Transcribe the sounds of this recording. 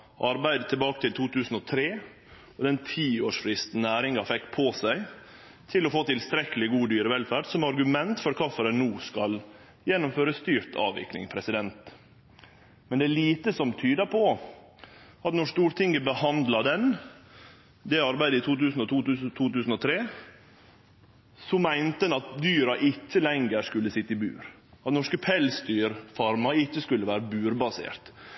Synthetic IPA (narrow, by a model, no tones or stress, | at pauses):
ʔɑɾbæɪd̪ət̪ʰəlbɑːkət̪ʰɪlt̪ʰuːt̪ʰʉːsn̩ɔt̪ʰɾeː | ɔd̪ɛnt̪ʰiːoːʂfɾɪst̪n̩æːɾɪŋɑfɛkːpʰosæɪ | t̪ʰɪlɔfoːt̪ʰɪlst̪ɾɛkəlɪɡuːd̪yːɾəʋɛlfæɖsɔmɑɾɡʉmɛnt̪fɔɾkʰɑfəɾənuːskɑl | jɛnːʊmføːɾəst̪yːɾt̪ʰɑ̰ːʋɪ̰knɪ̰ŋpʰɾɛsɪd̪ɛnt̪ | mɛnd̪ɛæɭiːt̪əsɔmt̪ʰyːd̪əpʰɔ | ɑt̪nɔʂt̪uːɾt̪ʰɪŋəbəhɑnd̪lɑd̪ɛn | d̪ɛɑɾbæɪd̪əɪt̪ʰuːt̪ʉːsn̩ɔt̪uːʉt̪ʰuːt̪ʉːsn̩ɔt̪ʰɾeː | sɔmæɪnt̪əɛnɑt̪̚d̪yːɾɑʔɪcːəlɛŋɡəɾskʉlːəsɪt̪ːɪbʉ̰ːɾ | ɑt̪nɔʂkəpʰɛlsd̪yːɾfɑɾmɑɪçːəskʉlːəʋæːɾəbʉːɾbɑsḛːɾt̪